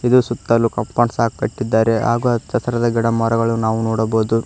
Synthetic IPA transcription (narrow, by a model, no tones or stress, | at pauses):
id̪usut̪ːɐlːukɐmpaːɳsaːɡ̚kɐʈːid̪ːaːɾe̞ɦa̰ːɡut͡ʃɐt̪ɐɾɐd̪ɐɡɛɽɐmɔɾɐɡɐɭunaːʋunoːɽɐboːd̪u